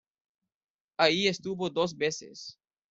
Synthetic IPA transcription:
aiest̪uβod̪oz̬besḛs

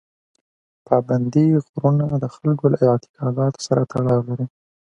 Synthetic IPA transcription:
pɑband̪iɣɾunad̪əxalɡolaɑt̪i̥kʰɑɡɑt̪o̥saɾat̪ʰaɽɑwlaɾi

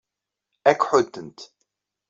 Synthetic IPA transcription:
ækʷħʊd̪ːənt̪

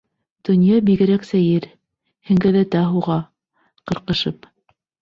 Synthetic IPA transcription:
d̪̥ɵ̆njɑbiɡɘ̆ɾæksæjɘɾ | hɘ̆ŋɡæðæt̪æɦuʁɑ | qɤ̆ɾqɤ̆ʃɤp

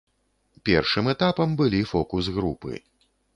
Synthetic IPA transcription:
pʲɛrʂɨmɛt̪apɐmbɨlʲifɔkusɣɾupɨ̰

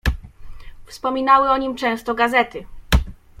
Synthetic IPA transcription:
fspɔmʲinawɘɔɲimt͡ʂɛ̃w̃st̪ɔɡazɛt̪ɘ

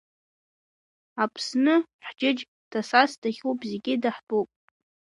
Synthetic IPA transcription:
apʰsnɨħd͡ʒɪd͡ʒ | d̥asasdʰaχʲupʼzeɡʲɪdaħtʼowpʼ

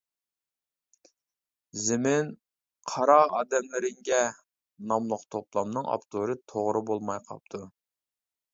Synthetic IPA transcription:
zɪmɪn | qʰɑɾɑɑːd̪ɛmlɪɾɪŋɡʲɛ | nɑmlˠəqt̪ʰoplˠɑmnɨŋɑ̰pt̪ʰoɾɨt̪ʰoʁɾɨbolˠmɑjqʰɑ̰p̚t̪ʰu

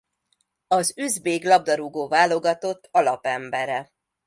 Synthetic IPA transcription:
ɒzyzbeːɡlɒb̚d̪ɒɾuɡoːvaːlo̞ɡɒt̪o̞t̪ːɒlɒpɛmbɛɾɛ

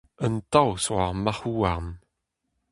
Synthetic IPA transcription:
əntawswaʁmaχuːaʁn

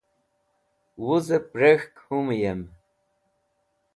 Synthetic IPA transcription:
wuzəpɾexkhumjem

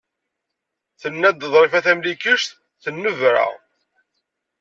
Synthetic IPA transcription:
θənːæd̪ðˤɾˤifæθæmlikəʃt̪ | θənːəvɾa̰ʁ

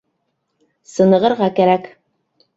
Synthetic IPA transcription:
sɤ̆nɤ̆ʁɤ̆ɾʁɑkæɾæk

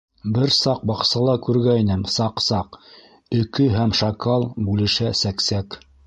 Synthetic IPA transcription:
bɘɾsɑq̚bɑqsɑlˠɑkʉɾɡæinɘmsɑqsɑq | ɵ̆kɵɦæmʃɑkɑlˠbʉlɘ̆ʃæsæksæk

